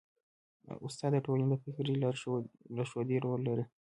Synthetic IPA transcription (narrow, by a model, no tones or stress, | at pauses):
ʊst̪ɑd̪əʈolaned̪əfɪkɾi | laʃod̪eɾolːaɾi